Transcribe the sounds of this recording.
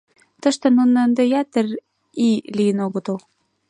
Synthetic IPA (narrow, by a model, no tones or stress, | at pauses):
t̪ə̆ʃt̪ə̆nunːɤ̆ənd̪ejæt̪ə̆r | iliənoɣŏt̪ow